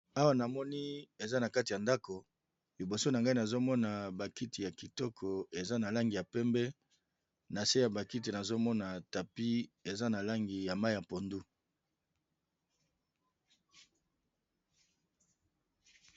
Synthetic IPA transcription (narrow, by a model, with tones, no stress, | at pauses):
a˦wa˦na˨mɔ˦ni˦e˨za˦na˨ka˦ti˨ja˨nda˦ko˨ | li˨bo˨so˦na˨ŋɡa˦i˦na˨zo˦mɔ˦na˨ba˨ki˦ti˨ja˨ki˨tɔ˦kʰɔ˨e˨za˦na˨la˦ŋɡi˨ja˨pɛ˦mbɛ˦ | na˨se˦ja˨ba˨ki˦ti˨na˨zo˦mɔ˦na˨ta˨pi˦e˨za˦na˨la˦ŋɡi˨ja˨ma˦i˦ja˨po˨ndu˦